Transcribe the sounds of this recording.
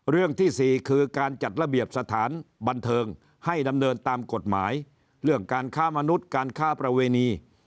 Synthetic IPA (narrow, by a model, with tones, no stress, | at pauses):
ɾɯ˥˩əŋt̪ʰiː˥˩siː˨˩kʰɯː˧kaː˧nt͡ɕa˨˩t̪̚ɾa˧bi˨˩əp̚sa˧t̪ʰaː˩˦nba˧nt̪ʰɤː˧ŋ | ha˥˩jda˧mnɤː˧nt̪aː˧mko˨˩t̪̚maː˩˦˥j | ɾɯ˥˩əŋkaː˧nkʰaː˥˩ma˧nu˦˥t̪̚kaː˧nkʰaː˥˩pɾa˧weː˧niː˧